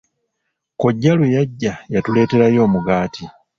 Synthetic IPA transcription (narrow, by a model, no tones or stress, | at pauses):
koɟːalwejaɟːajatule̞ːte̞ɾajo̞ːmuɡaːti